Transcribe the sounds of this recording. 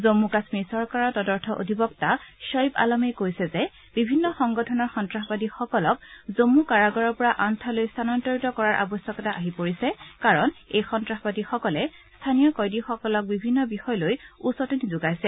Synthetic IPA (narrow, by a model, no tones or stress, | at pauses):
zomːukasmisɔɹkaɹɔtɔdɔɹtʰɔʔo̰dʱibɔktaʃɔjba̰lɔmɛkojsɛzɛ | bibʱinːɔxɔŋɡɔtʰɔnɔɹxɔntɹaxbadixɔkɔlɔk̚zomukaɹaɡɔɹɔɹpɔɹaʔantʰalojstʰanɔntɔɹitɔkɔɹaɹʔa̰bɔsjɔkɔtaʔaɦipoɹisɛkaɹɔnejxɔntɹaxbadixɔkɔlɛ | stʰanijɔkɔjdixɔkɔlɔk̚bibʱinːɔbixɔjlojusɔtinizʊɡajsɛ